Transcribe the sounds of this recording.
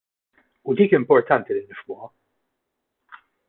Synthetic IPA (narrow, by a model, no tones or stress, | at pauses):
ʊd̪iːkɪmpɔɾt̪ɐnt̪ilɪnːɪfmʊːɐ